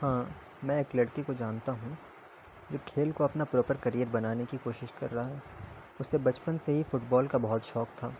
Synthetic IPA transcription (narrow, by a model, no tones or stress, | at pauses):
hãː | mɛ̃ɪkləɽkikod͡ʒaːnt̪aɦũ | d͡ʒoːkʰeːlkoɐpnapɾɔːpəɾkɐɾijəɾbɐnaːnekikoːʃɪʃkɐ̰ɾːɐɦaɦɛː | ʊsːebɐt͡ʃpənseɦifʊʈbɔːlkabɐɦʊt̪ʃɔːkt̪ʰaː